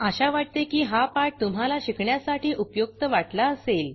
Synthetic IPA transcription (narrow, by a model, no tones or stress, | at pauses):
əɕaʋaʈ̚t̪ekiːɦapaʈ̚t̪um̤alaɕikʰɳjasaʈʰiːʔupjok̚t̪əʋaʈlaəsel